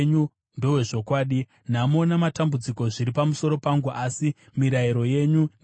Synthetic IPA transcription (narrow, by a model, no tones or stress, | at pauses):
ɲu | ndo̞we̞ʐo̞kwaːɗi | namo̞namatambud͡ziko̞ʐiɾipamuso̞ɾo̞paŋɡuʔasi | miɾaiɾo̞je̞ɲu